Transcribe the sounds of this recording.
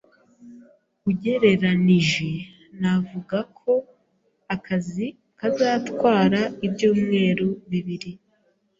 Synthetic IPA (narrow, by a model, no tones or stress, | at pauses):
uɟe̞ɾe̞ɾaniʒe | navuɡakʰo̞ | akʰazi | kazaːtkwaːɾaibjuːmŋe̞ːɾuβiβiɾi